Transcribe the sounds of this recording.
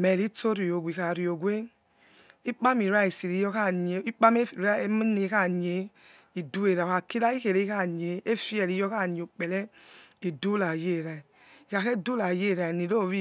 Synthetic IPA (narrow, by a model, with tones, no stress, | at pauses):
mɛ˨li˦to˦ɾi˨jo˨ɡʷi˨ka˨ɾi˨o˨ɡʷe˦ | i˦k͡pa˦mi˨ɾa˦i˨si˨li˨˧jɔ˦ka˦˨ɲe˨i˦k͡pa˦m˦˨ɾne˨˧˦ka˦˨ɲe˨ | i˨du˦e˨ɾa˨ka˨ki˦la˦i˦ke˨ɾe˦ka˦˨ɲe˨e˦fi˦ɛ˨li˨˦jɔ˦ka˦˨ɲe˨o˨k͡pɛ˨lɛ˦i˨du˦la˨je˦˨ɾa˨i˨ | i˨ka˨ke˦˨du˦la˨je˦˨ɾa˨ni˨lo˦˨ɾi˦